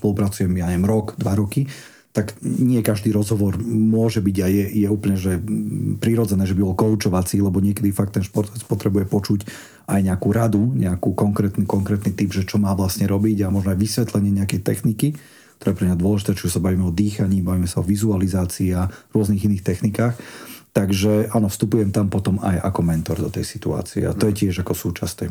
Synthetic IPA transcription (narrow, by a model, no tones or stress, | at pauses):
spɔlupɾat͡sujɛmjaɲɛɛmɾɔɡd̪ʋaɾɔki | t̪aɡɲɪɛkaʒd̪iːɾɔzɦɔʋɔɾmʊɔʒɛbiɟajɛjɛuːpl̩ɲɛʒɛpɾiɾɔd͡zɛnɛːʒɛbibɔlkɔʊt͡ʃɔʋat͡silɛbɔɲɪɛkɛd̪ifakt̪ːɛnʃpɔɾt̪ɔʋɛt͡spɔt̪ɾɛbujɛpɔt͡ʃuc | ajɲɛakuɾad̪uɲɛakuːkɔŋkɾɛːt̪nikɔŋkɾɛːt̪nit̪ibʒɛt͡ʃɔmaːʋlasɲɛɾɔbiɟamɔʒnɔajʋisʋɛt̪lɛɲɪɛɲɛakɛjt̪ɛxniki | kkt̪ɔɾɛːpɾɛmɲad̪ʊɔlɛʒit̪ɛːt͡ʃiusabaʋiːmɛɔd̪iːxaɲiːbaʋimɛsaɔʋizualizaːt͡siːaɾʊɔzniɣiniːxt̪ɛxnikaːxt̪aɡʒɛʔanɔfst̪upujɛmt̪ampɔt̪ɔma̰jʔa̰kɔmɛnt̪ɔɾd̪ɔt̪ɛ̰jsi̥t̪ua̰ːt͡siɛ̰a̰t̪ɔjɛcɪɛʒakɔsuːt͡ʃast̪ɛ̰